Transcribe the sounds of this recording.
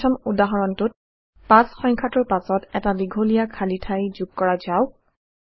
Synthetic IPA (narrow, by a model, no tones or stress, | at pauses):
ɔmudaɦɔɹɔntʊt̚ | pasxɔŋkʰatʊɹpasɔtɛtadiɡʱolijakʰalitʰajzuɡ̚kɔɹazaʊ